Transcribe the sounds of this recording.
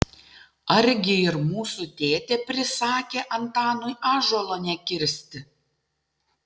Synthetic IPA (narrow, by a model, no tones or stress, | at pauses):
ɐɾʲɡʲɪɪɾmuːsut̪ʲeːt̪ʲeːpʲɾʲɪsɑːkʲeːʔɐnt̪ɑːnʊjɑːʒɔlˠoːnʲɛkʲɪɾʲsʲt̪ʲɪ